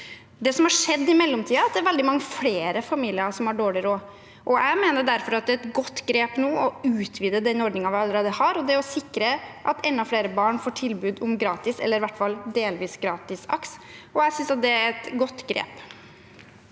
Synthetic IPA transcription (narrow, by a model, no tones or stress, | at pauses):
d̪ɛsɔmhɑʂɛd̪ːɪmɛlːɔmt̪ʰiːɑɑt̪̚d̪ɛæɾʋɛld̪ɪmɑŋːəfleːɾəfɑmiːlɪɑʂɔmhɑɖoːɭɪɾoː | ʔɔæɪmeːnəɖæɾfɔɾɑt̪̚d̪ɛɛt̪ɡɔt̪ːɡɾeːpnuːɔʉːt̪ʰʋiːd̪əd̪ɛnɔɖnɪŋɑʋɪɑlːəɾeːd̪əhɑɾɔd̪ɛɔsɪkːɾəʔɑt̪ɛnːɑfɽeːɾəbɑːɳfoːʈʰɪlbʉːd̪ʊmɡɾɑːt̪ɪsɛ̰lːəɾɪʋæʈːfɑld̪eːlʋiːsɡɾɑːt̪ɪsɑ̰ksɔæsʏnsɑt̪̚d̪ɛæɾɛt̪ɡɔt̪ːɡɾḛːp